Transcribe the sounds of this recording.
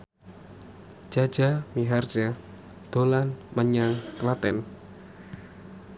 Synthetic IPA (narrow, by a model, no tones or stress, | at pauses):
d͡ʒ̥ḁd͡ʒamiɦard͡ʒa | d̪̥olanməɲaŋkəlat̪ɛn